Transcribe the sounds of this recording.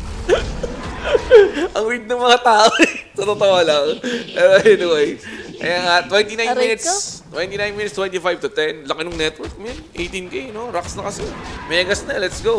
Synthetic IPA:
ʔɐŋwid̪̚nɐŋmɐŋat̪aːʔosɐt̪ot̪oʔalɐŋpɛːɾoʔɛnɪwɛjkɐ̰jaːŋɐt̪wɛ̃nt̪inaj̪minɪt̪st̪wɛnt̪inajnminɪt̪st̪wɛ̃nt̪ifajv̚t̪ʊt̪ɛnlɐkɪnʊŋnɛt̪wɛɹk̚mɐjanʔejt̪inkɐjnoɾaksnɐkɐsɛmɛɐɡɐsnɐlɛt̪sɡow

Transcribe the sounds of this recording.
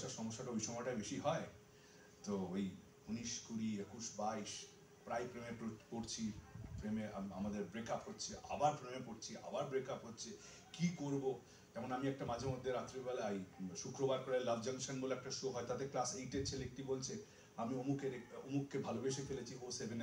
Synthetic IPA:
ʃaɾʃɔmoʃːaʈaoijʃɔmɔʈabeʃiɦɔe | t̪ooj | uniʃkuɾiekuʃbaiʃ | pɾajpɾemepopoɾt͡ɕʰipɾemea̰miamad̪eɾbɾekapɦotːt͡ɕʰeʔa̰baɾpɾemepoɾt͡ɕʰia̰baɾbɾekapɦotːɕʰe | kikoɾbo | d͡ʑɛmonamiɛk̚ʈamad͡ʑʱamod̪ʱːeɾat̪ːɾibalajʃukɾobaɾkoɾelɐbʱd͡ʑɐŋʃonɡoloɛk̚ʈaʃuoɦɔet̪at̪eklasejʈet͡ɕʰelek̚ʈibolt͡ɕʰe | amiomukeɾeomukʰːebʱalobeʃefelet͡ɕʰiosebʱen

